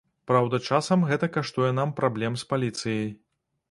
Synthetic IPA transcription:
pɾawd̪ɐt͡ʂasɐmɣɛt̪ɐkaʂt̪ujɛnampɾʔablʲɛmspalʲit̪sɨjej

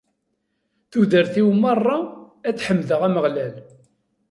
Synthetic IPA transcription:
θuðəɾθiwmɑrˤːɑ | æt͡sːħəmːðəʁæməʁlæl

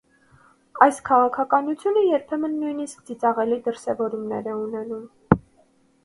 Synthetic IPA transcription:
ɑjskʰɑʁɑkʰɑkɑnut͡sʰjunəjɛɾpʰɛmənːujniskd͡zit͡sɑʁɛlid̪əɾsɛvɔɾumnɛ̰ɾɛunɛnum

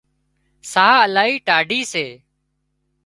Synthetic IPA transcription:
saːəlaːɦiːʈaːɖʱiːseː

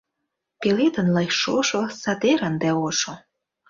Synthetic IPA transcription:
pelet̪ənlɑjʃoʃosɑt̪eɾənd̪æoʃo

